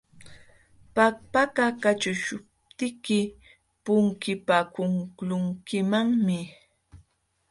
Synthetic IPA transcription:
pak̚pakakat͡ʃʊʃʊp̚t̪ɪkɪ | pʊŋkɪpakʊŋklʊŋkɪmaŋmɪ

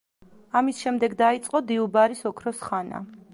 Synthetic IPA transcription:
amisʃɛmd̪ɛɡd̪ait̪sʼqʼɔd̪iubaɾisɔkʰɾɔsχana̰

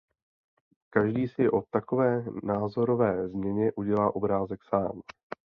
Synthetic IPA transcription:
kaʒdiːsɪʔo̞t̪ako̞vɛːnaːzo̞ɾo̞vɛːzmɲɛɲɛʔuɟɛlaːʔo̞bɾaːzɛksaːm

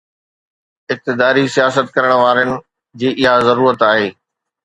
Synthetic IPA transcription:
ɪk̚t̪ɪd̪aːɾisijaːsət̪kɐɾəɽ̃ʋaːɾənɪ̆ | d͡ʑiːʔɪɦazɐɾuːɾət̪aːɦeː

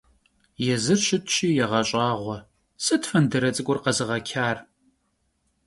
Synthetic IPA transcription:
jɛzɨrɕɪtʰɕiːjɛʁɐɕʼɑːʁʷɔ | sʼɨtfɐndɐɾɐt͡sʼɨkʷʼʊrqɐzɨʁɐkʲʰaːr

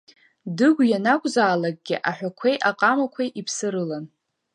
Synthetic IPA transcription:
dɨɡʷjanakʷʼzaːlaɡ̚ʼɡʲɪʔaħʷᶣakʷʰejʔaqʼamakʷʰajʔipʰsɨɾɨlan

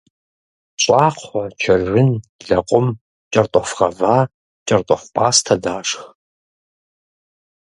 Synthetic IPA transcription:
ɕʼaːqʷɔt͡ʃʰɐrʒʷɪnɮɐqʷʼʊm | t͡ʃʼɐrtʼɔfʁɐvaː | t͡ʃʼɐrtʼɔχʷpʰʼaːstʰɐdaːʂx

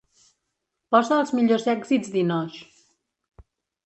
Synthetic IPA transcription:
pɔzəːlˠzmiʎozɛɡzizd̪inɔʃ

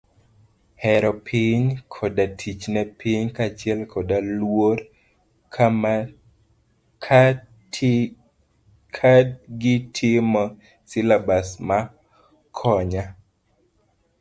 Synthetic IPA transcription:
hɛɾɔpʰiɲkʰɔdatʰit͡ʃnɛpʰiɲkat͡ʃɪɛlkʰɔdalwoɾ | kʰ | kʰadɡɪtʰɪmɔ | sɪlabasma | kʰɔɲa

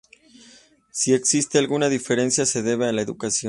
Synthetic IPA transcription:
sie̞ksist̪e̞alɣunaðife̞ɾe̞nsjase̞ðe̞βealaeðukasjo

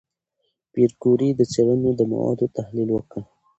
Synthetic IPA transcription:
piɾɡuɾid̪ət͡seɽənod̪əma̰wɑ̰d̪ot̪ahlilwəkə

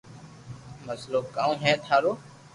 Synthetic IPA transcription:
məsloːkaːũːɦɛ̃ːt̪ʰaːɾoː

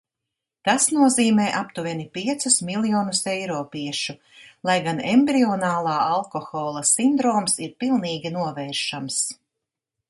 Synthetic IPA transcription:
t̪asnuɔziːmɛːʔapt̪uvʲinipʲiɛt̪susmilˠjɔːnusejɾɔːpiɛʃu | lˠajɡanembɾiɔnaːlˠɑːalˠkɔxɔːlˠɐsind̪ɾɔːmsiɾpilˠniːɡʲinuɔvɛːɾʃams

